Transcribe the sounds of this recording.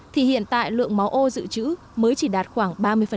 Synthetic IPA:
t̪ʰi˨˩hḭ˧˨ənt̪a̰ː˧˨jlɨ̰˧˨əŋma˨˦wʔo˧zɨ̰˧˨t͡ɕɨ̰˧˥ | məː˨˦jt͡ɕi˧˩ɗaː˨˩t̚xwaː˧˩ŋɓaː˧mɨ˧əjfə˨˩

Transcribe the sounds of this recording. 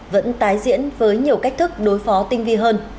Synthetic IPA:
və̰˧˥nt̪aː˨˦jzḭ˧˥ənvəː˨˦jɲi˨˩əwka˦˥k̟̚t̪ʰɨ˦˥k̚ɗo˨˦jfɔ˨˦t̪ï˧ŋ̟vi˧ɦəː˧n

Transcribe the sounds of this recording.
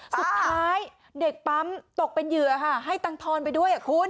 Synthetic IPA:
su˨˩t̪ʰːaː˦˥j | de˨˩k̚pa˦˥mt̪o˨˩k̚pe˧njɯ˨˩ɐkʰa˥˩ɦa˥˩jt̪a˧ŋt̪ʰɔː˧np̬a˧jdu˥˩əjʔa˨˩kʰu˧˥n

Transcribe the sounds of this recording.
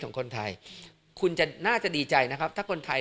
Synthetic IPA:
kʰɔː˩˦kʰo˧nt̪ʰa˧j | kʰu˧nt͡ɕa˨˩naː˥˩t͡ɕa˨˩diː˧t͡ɕa˧jna˦˥kʰa˦˥p̚t̪ʰaː˥˩kʰo˧nt̪ʰa˧

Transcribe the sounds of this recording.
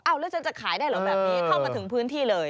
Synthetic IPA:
ʔa˧˩wlɛː˦˥wt͡ɕʰa˦˥nt͡ɕa˨˩kʰaː˨˩˦jdaː˥˩jlɔː˨˦bɛː˨˧p̚ni˦˥kʰa˥˩maː˧t̪ʰɯ˩˦ŋpʰɯː˦˥nt̪ʰiː˥˩lɤː˧j

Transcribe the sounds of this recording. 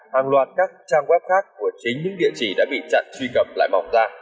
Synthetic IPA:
haː˨˩ŋlwaː˨˩t̚kaː˦˥k̚t͡ɕaː˧ŋkwɛ˦˥p̚xaː˦˥kːu˧˩ət͡ɕi˨˦nɲɨ̰˧˥ŋɗḭ˧˨ət͡ɕi˧˩ɗa̰ː˧˥ɓḭ˧˨t͡ɕa̰˧˨ŋswi˧kə˨˩p̚la̰ː˧˨jma˨˩wŋ͡mzaː˧

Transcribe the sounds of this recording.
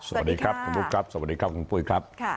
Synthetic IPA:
so˧˩˨a˩t̚diː˧kʰɾa˦˥p̚kʰu˧˦ntuː˦˥kʰa˦˥p̚so˧˩˨a˩t̚diː˧kʰa˦˥p̚ku˧npu˧˩jkʰɾa˦˥p̚

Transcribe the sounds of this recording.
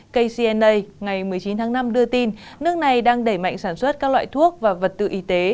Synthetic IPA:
kə˧jsi˧ɛ˧nʔə˧jŋa˨˩jmɨ˨˩əjt͡ɕi˨˦nt̪ʰaː˨˦ŋna˧mɗɨ˧ət̪i˧nnɨ˦˥ək̚na˨˩jɗaː˧ŋɗə˧˩jma̰˧˨jŋ̟saː˧˩nswə˦˥t̚kaː˦˥k̚lwa̰ː˧˨jt̪ʰu˦˥ək̚vaː˨˩və˨˩t̚t̪ɨ̰˧˨ʔi˨˦t̪e˨˦

